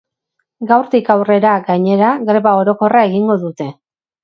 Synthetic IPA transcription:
ɡawɾt̪ikawre̞ɾaɡaɲe̞ɾaɣɾe̞βao̞ɾo̞ko̞rae̞ɣiŋɡo̞ðut̪e̞

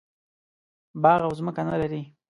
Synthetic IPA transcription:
bɑɣawzməkanalaɾi

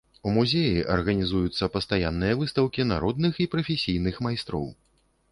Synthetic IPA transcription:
umuzʲejiʔɐ̰rɣɐnʲizujut̪sːɐpɐst̪ajanːɨjɐvɨst̪ɐwkʲina̰ɾɔd̪nɨxipɾɐfʲesʲijnɨxmajst̪ɾɔ̰w

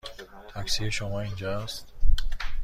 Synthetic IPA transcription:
t̪ʰæksieʃomɒːind͡ʒɒst̪

